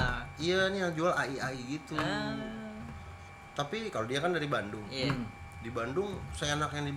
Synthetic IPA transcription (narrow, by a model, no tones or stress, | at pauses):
ijanijaŋd͡ʒualaiaiɡit̪u | t̪apikalodiakandaɾibandʊŋa | dibandʊŋsaanakjaŋdi